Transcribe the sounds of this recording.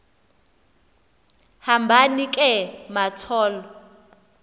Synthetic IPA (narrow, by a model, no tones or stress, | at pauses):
hambʱanikʼɛmatʰɔːlɔ